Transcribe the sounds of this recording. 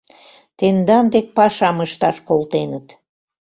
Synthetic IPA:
t̪end̪ɑnd̪ek̚pɑʃɑməʃt̪ɑʃkolt̪enət̪

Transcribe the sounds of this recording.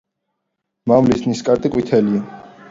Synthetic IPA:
mamlisniskʼaɾt̪ʼikʼwit̪ʰɛlia

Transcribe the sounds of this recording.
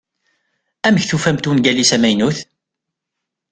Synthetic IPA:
æməçθufæmt̪unɡælisæmæjnuθ

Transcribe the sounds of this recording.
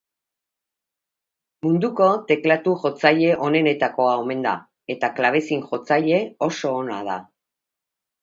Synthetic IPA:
mund̪uko̞t̪e̞klat̪uʝo̞t͡saʎe̞ʔo̞ne̞ne̞t̪ako̞aome̞nd̪a̰ | e̞t̪aklaβ̞e̞siŋʝo̞t͡saʎe̞o̞so̞ːna̰ð̞a̰

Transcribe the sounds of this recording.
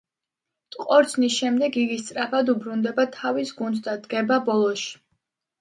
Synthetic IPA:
t̪ʼqʼɔɾt̪sʰnisʃɛmd̪ɛɡiɡist̪sʼɾapʰad̪ubɾund̪ɛbat̪ʰavisɡund̪sd̪ad̪ɡɛbabɔlˠɔʃi̥

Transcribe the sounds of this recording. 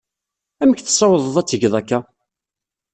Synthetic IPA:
æməçθə̥sˤːɑwəðˤəðˤæt͡sːəʝðˤækːæ

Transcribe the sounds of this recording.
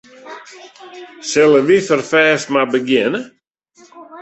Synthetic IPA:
sɪlˠəʋifərfɛːsmabəɡjɪnə

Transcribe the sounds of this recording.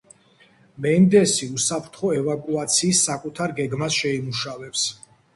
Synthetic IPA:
mɛnd̪ɛsiusapʰɾt̪ʰχɔɛvakʼuat̪sʰiːsːakʼut̪ʰaɾɡɛɡmasʃɛimuʃavɛps

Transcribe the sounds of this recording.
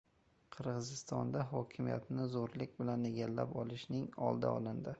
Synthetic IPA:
qʰɨɾʁɨzɪst̪ɒnd̪aɦɒkʲʰɪmija̰t̪nɪzoɾlɪkʲbɪlane̞ɡʲalːa̰pɒlˠɪʃnɪŋɒ̰lˠd̪a̰ɒlɪnd̪ɪ

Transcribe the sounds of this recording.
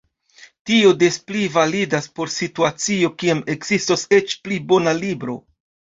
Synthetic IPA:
tio̞desplivalidaspo̞ɾsituat͡sio̞kiame̞ɡz̥istose̞t͡ʃplibo̞nalibɾo̞̰

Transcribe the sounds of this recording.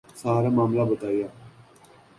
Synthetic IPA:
saːɾaːmaːmlaːbət̪aːijaː

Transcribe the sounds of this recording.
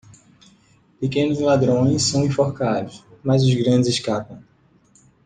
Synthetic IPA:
pekẽnʊzlad̪ɾõj̃ssːɐ̃w̃ĩfoɾkad̪ʊsmazʊzɡɾɐ̃d͡ʒɪzɪskapɐ̃w̃

